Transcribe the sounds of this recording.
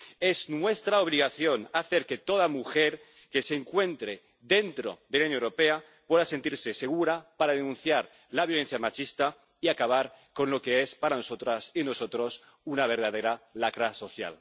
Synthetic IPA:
eznwe̞st̪ɾaoβ̞liɣ̞aθjo̞naθe̞ɾke̞t̪o̞ðamuxeɾ | ke̞seŋkwe̞nt̪ɾe | ðe̞nt̪ɾo̞̰ðelaunoewɾope̞a | pwe̞ðase̞nt̪iɾse̞se̞ɣ̞uɾapaɾaðenũnθjaɾ | laβjole̞n̟θjamat͡ʃist̪a | iakaβ̞aɾko̞nlo̞ke̞espaɾano̞so̞t̪ɾasino̞so̞t̪ɾo̞s | unaβ̞e̞ɾð̞að̞e̞ɾalakɾaso̞θja̰l

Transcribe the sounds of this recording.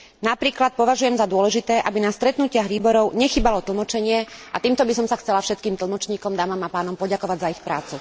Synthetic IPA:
napɾiːklat̪̚pɔʋaʒujɛmzad̪ʊɔlɛʒit̪ɛːʔabinast̪ɾɛt̪nucɪaɣʋiːbɔɾɔʊɲɛxiːbalɔt̪l̩ˠmɔt͡ʃɛɲɪɛat̪iːmt̪ɔbisɔmsaxt͡sɛlafʃɛt̪kiːmt̪l̩ˠmɔt͡ʃɲiːkɔmd̪aːmamapaːnɔmpɔɟakɔʋaɟzaixpɾaːt͡su

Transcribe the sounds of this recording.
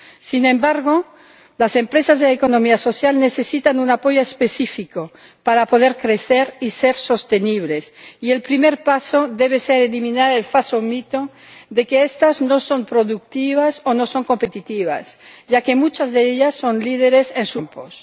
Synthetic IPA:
sinẽmbaɾɣo | lasempɾesazðelaekonomiaso̞sjalnesesit̪anunapoʝoespesifiko | paɾapoðeɾkɾeθeɾiseɾso̞st̪eniβ̞lesielpɾimeɾpasoðeβeseɾelimĩnaɾelfasomit̪o | ðekeest̪aznoso̞mpɾoðuk̚t̪iβ̞asonoso̞ŋko̞mpe̞t̪it̪iβa̰sʒakemut͡ʃazðeeʎasːo̞nliðeɾesensumpos

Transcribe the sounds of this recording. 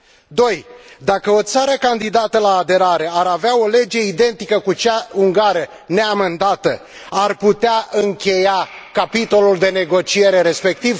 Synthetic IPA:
d̪o̞jd̪akəo̞t̪saɾəkand̪id̪at̪əlaːd̪e̞ɾaɾe̞aɾaveao̞le̞d͡ʒe̞id̪e̞nt̪ikəkut͡ʃauŋɡaɾə | neame̞nd̪at̪ə | arput̪eaɨŋkʲe̞jakapit̪o̞luld̪e̞ne̞ɡo̞t͡ʃie̞ɾe̞ɾe̞spe̞k̚t̪iv

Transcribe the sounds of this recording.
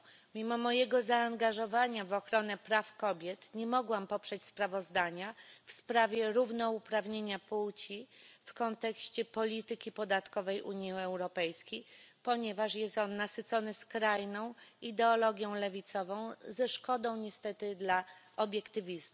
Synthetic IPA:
mʲimɔmɔjɛɡɔzaːŋɡaʐɔvaɲavɔxɾɔnɛpɾafkɔbʲjɛt̪ɲɛmɔɡwampɔpʂɛt͡ɕspɾavɔzd̪aɲafspɾavʲjɛɾuvnɔupɾavɲeɲapuwt͡ɕifkɔnt̪ɛkɕt͡ɕɛpɔlʲit̪ɘkʲipɔd̪at̪kɔvɛjʔuɲjiɛwɾɔpɛjskʲejpɔɲɛvaʂjɛst̪ɔnːasɘt̪sɔnɘskɾajnɔ̃w̃id̪ɛɔlɔɡʲjɔ̃w̃lɛvʲit̪sɔvɔ̃w̃zɛʂkɔd̪ɔ̃w̃ɲɛst̪ɛt̪ɘd̪laʔɔbʲjɛkt̪ɘvʲizmu

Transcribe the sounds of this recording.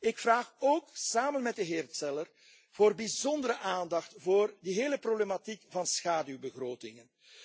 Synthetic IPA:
ɪkfraːxoːksaːmənmɛt̚dəɦeːrtsɛlər | v̥oːrbizɔndəɾəʔaːndɑxtvoːrdəɦeːləproblematikvɑnsxaːdywbəɣroːtɪŋən

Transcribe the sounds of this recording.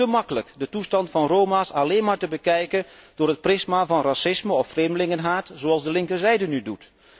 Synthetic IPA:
əmɑkələkdətustɑntfɑnrowmaːsɑleːnmaːɹtəbəkɛjkənd̥ʊːɹɦət̚prɪsmavɑnrasɪsməɔfːreːmdəlɪŋənɦaːtz̥oɑlˠzdəlɪŋkəɹzɛjdənydut

